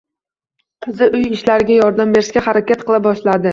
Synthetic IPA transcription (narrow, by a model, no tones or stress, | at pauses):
qʰɨzɪʔʊjɪʃlaɾɪɡʲajɒɾd̪ambe̞ɾɪskʲaχaɾakʲat̪̚qʰɨlˠabɒʃlad̪ɪ